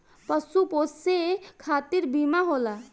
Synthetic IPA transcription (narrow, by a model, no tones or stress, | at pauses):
pəsupossekʰaːt̪iɾbimaɦola